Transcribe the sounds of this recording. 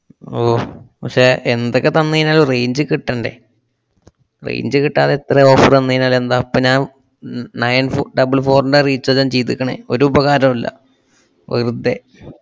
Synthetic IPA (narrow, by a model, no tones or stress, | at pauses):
oːpɐkʂeend̪okʲːet̪ɐnːiːnaːlrejɲd͡ʑɨkiʈːɐɳɖe̞̰ | rḛjɲd͡ʑɨkiʈːaːðeet̪reo̞ːfɐrenːiːnaːlend̪aːpːoːɲaːn | nɐjnfɖɐbɨlfo̞ːruɳɖeriːt͡ɕːoːt͡ɕːant͡ɕejt̪ːikʲːɐɳḛoɾuːbɐɣaːɾɐmɐlːɐ̰ | ʋɐ̰rud̪ːe